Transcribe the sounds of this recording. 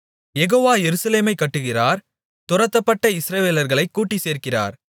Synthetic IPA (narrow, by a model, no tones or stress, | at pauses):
jɛɣoːʋaːjɛɾɯsɐleːmɐɪkːɐʈːɯɣɪraːɾ | t̪ʊrɐt̪ːɐpːɐʈːɐɪsɾɐʋeːlɐɾɣɐɭɐɪkːuːʈːiseːrkɪra̰ːɾ